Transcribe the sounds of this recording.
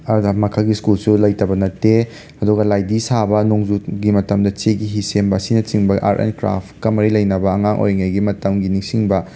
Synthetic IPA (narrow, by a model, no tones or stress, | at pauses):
ɐɡmɐkʰaɡiskulsulɐjtɐbɐnɐtːe | ɐduɡɐlajdisabɐnoŋzut̚ɡimɐtɐmdɐt͡ʃeɡiɦisembɐɐsinɐt͡ʃiŋbɐʔa̰ɾʔḛnkɾa̰pkɐmɐɾilɐjnɐbɐɐŋaŋʔo̰jŋɐjɡimɐtɐmɡiniŋsiŋbɐ